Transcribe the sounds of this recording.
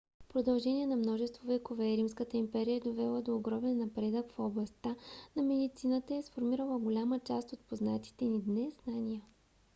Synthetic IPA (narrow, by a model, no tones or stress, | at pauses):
pɾod̪ɐlˠʒɛnʲiɛnɐmnɔʒɛst̪vovɛkovɛɾimskət̪əimpɛɾijəd̪ovɛlˠəd̪oːɡɾɔmɛnːɐpɾɛd̪əkfɔblˠɐst̪anɐmɛd̪it̪sinət̪əɛsfoɾmiɾəlˠəɡolʲamət͡ʃast̪ot̪̚poznat̪i̥t̪ɛnid̪nɛznanʲijə